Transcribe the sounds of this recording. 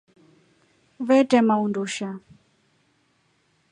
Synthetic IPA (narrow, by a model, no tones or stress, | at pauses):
βɛtɛmaunduʃa